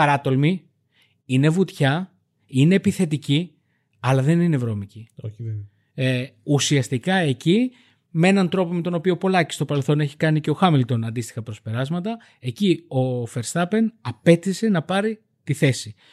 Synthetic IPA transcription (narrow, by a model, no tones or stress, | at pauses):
ɐɾɐt̪o̞lmi | ine̞vut̪çɐ | ine̞ːpiθe̞t̪ici | ɐlɐðe̞ninevɾo̞mici | usiɐst̪ikɐe̞ci | mee̞nɐnt̪ɾo̞po̞me̞t̪o̞no̞pio̞po̞lɐci̥st̪o̞pɐlelθo̞ne̞çi̥kɐnice̞o̞xɐmilt̪o̞nɐnd̪ist̪i̥xɐpɾo̞spe̞ɾɐzmɐt̪ɐ | e̞cio̞fe̞ɾst̪ɐpe̞nɐpe̞t̪ise̞nɐpɐɾi | t̪iθe̞si